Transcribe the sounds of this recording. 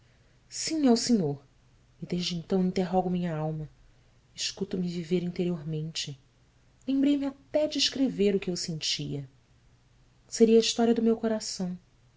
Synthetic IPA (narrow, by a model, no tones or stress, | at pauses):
sĩawsẽɲoɾ | ɪd̪eʒd͡ʒɪẽnt̪ɐ̃w̃ĩnt̪eɦɔɡʊmĩɲɐawmɐ | ɪʃkut̪ʊmɪviveɾĩnt̪eɾioɾmẽnt͡ʃɪ | lẽmbɾejmɪat̪ɛd͡ʒɪiʃkɾeveɾʊkɪewsẽnt͡ʃiɐ | seɾiɐiʃt̪ɔɾiɐd̪ʊmewkoɾasɐ̃w̃